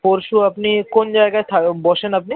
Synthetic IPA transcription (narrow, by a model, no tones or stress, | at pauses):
oɾʃuɐpnikond͡ʒaeɡat̪ʰabɔʃenɐp̚ni